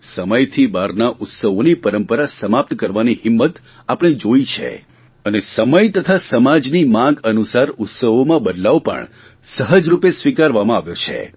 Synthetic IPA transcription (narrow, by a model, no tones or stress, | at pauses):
səməjt̪ʰibaɾnaʔʊt̪səʋonipəɾəmpəɾasəmap̚t̪kəɾʋanihɪmːət̪ | apəɽ̃id͡ʒoit͡ʃʰḛ | ənesəməjt̪ət̪ʰasəmad͡ʒnimãɡənusaɾʊt̪səʋomãbəd̪laʋpə̰ɳ | səɦəd͡ʒɾupesʋikaɾʋamãaʋjot͡ʃʰḛ